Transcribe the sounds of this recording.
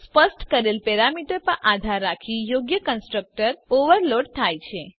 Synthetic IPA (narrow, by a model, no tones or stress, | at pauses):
spəsʈkəɾelpɛɾamiʈəɾpəʔad̪ʱaɾːakʰijoɡjəkənsʈɾək̚ʈəɾoʋəɾloɖt̪ʰajt͡ʃʰe